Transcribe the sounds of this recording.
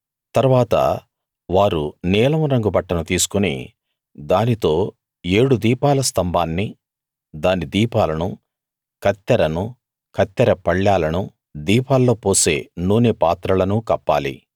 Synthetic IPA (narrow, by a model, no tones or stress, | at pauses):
t̪ɐɾuʋaːt̪ɐ̰ | ʋaːɾunɛːlɐmɾɐŋɡubɐʈːɐnut̪iːsu̥kunḭ | d̪aːnit̪o̞ː | eːɽud̪iːpaːlɐst̪ɐmbʱaːnːi | d̪aːnid̪iːpaːlɐnu | kɐt̪ːɐɾɐnu | kɐt̪ːɐɾɐpɐɭːaːlɐnu | d̪iːpaːlːo̞ːpoːse̞ːnuːnepaːt̪ɾɐlɐnukɐpːa̰ːlḭ